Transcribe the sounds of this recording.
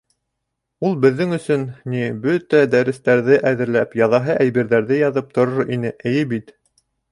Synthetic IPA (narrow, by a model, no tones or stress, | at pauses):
ulˠbɘ̆ðːɘŋɵ̆sɵnnibɵt̪æd̪æɾɘ̆st̪æɾðɘʔæðɘ̆ɾlæpjɑðɑɦɤʔæjbiɾðæɾðɘjɑðɤp̚t̪ŏɾoɾinɘʔɘ̆jɘbit̪